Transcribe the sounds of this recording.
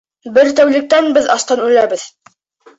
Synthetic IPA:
bɘɾt̪æwlɘ̆k̚t̪ænbɘðɑst̪ɑnʉlæbɘð

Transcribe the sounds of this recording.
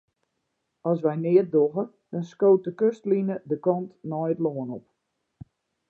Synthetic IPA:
ɔs̬ʋɛjnɪət̚doɣə | d̥ɔnskoːt̚dəkøstlinədəkɔntnɔjətloənɔp̚

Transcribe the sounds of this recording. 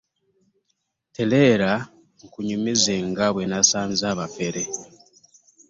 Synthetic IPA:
tele̞ːɾa | ŋ̩kuɲumizeŋɡaβwenasaːnzaːβafe̞ɾe

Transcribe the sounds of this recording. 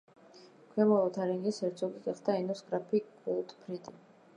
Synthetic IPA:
kʰwɛmɔlˠɔt̪ʰaɾiŋɡisɛɾt̪sʰɔɡiɡɛχd̪ainɔsɡɾapʰikʼut̪ʼpʰɾid̪i

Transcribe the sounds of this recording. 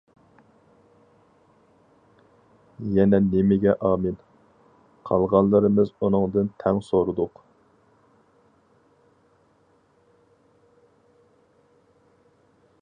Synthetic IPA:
jɛnɛnemɪɡʲɛʔɑːmɨn | qʰɑlˠʁɑnlˠɨɾɨmɨzunɨŋd̪ɨnt̪ʰɛŋsoɾɨd̪ʊq

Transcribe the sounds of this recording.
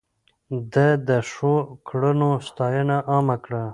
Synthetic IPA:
d̪əd̪əʂokɽənost̪ɑjənaʔɑmakɽa

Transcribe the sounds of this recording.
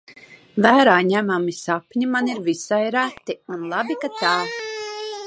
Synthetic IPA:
væːɾaːɲæmamisapɲimaniɾvisajɾæt̪ːiunlˠabikat̪aː

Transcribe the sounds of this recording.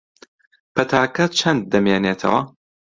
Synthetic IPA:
pʰɐt̪ʰaːkɐt͡ʃʰɐnd̪̚ːɐmjeːneːt̪ʰɐ̰wɐ

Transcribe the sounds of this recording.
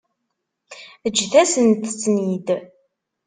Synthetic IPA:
əd͡ʒːθæsənt̪t͡sːnid̪

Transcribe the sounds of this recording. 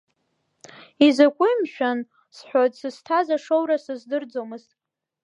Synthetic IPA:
izakʷʼʊimʃᶣan | sħʷᶣotʼsɨstʰazaʂowɾasɨzdɨrd͡zomɨztʼ

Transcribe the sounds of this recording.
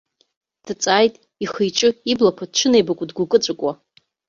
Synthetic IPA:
d̥ɨt͡sʼaːjtʼ | iχəjʈ͡ʂʼɨiblakʷʰadʈ͡ʂʷʰɨnejbakʷʼʊdɡʷukʼɨt͡sʷʼakʷʼwa

